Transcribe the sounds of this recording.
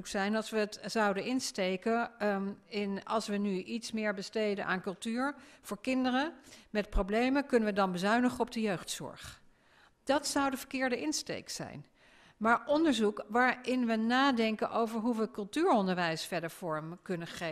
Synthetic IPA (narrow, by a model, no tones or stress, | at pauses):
ksɛjnɑlˠsʋəːtzɑwdənɪnstejkə | ɪnɑ̰lˠsʋənyʔitsmɪːɹbəstejdə̰nʔa̰ːnkɵlˠtyːɹv̥ʊːɹkɪndərəmɛt̚prowblejməkɵnəʋədɑnbəzœɥnəχəɔbdəjøχtsɔ̰ɹχ | d̥ɑtsʌwdəvəɹkɪːɹdəɪnstḛjksɛ̰jn | maːɹʔɔndəɹzukʋaːɹɪnʋənaːdɛŋkənʔowvəɹɦuʋəkɵlˠtyːɹɔndəɹʋɛjsfɛɹdəɹv̥ɔɹmkɵnəχe